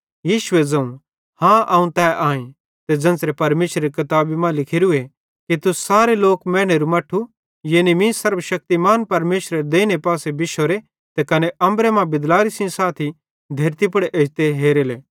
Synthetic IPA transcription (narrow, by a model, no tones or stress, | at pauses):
jiːʃʊed͡zɐ̃ũ | hãʔɐũt̪ɛːʔaːẽ | t̪ed͡zɐ̃nsɾepɐɾmeːʃɾeɾikɐt̪aːbimãlɪkʰɪɾue | kit̪usaːɾeloːkmɛ̃ːɽ̃eɾumɐʈʰu | jeːnimĩsɐɾbəʃɐk̚t̪imaːnpɐɾmeːʃɾeɾd̪eːñepaːsebɪʃoɾe | t̪ekɐneʔɐ̃mbɾemãbɪd̪laːɾisɪ̃saːt̪ʰi | d̪ʱeːɾt̪ip̬ɐɽeʔɐt̪eɦeːɾeːleː